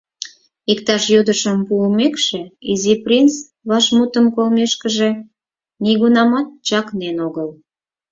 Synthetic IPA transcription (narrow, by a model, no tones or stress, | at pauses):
ikt̪ɑʃjod̪əʃəmpuːmekʃeiziprʲint͡s | βɑʃmut̪əmkolmeʃkəʒe | niɣunɑmɑt̪̚t͡ɕɑknenoɣəl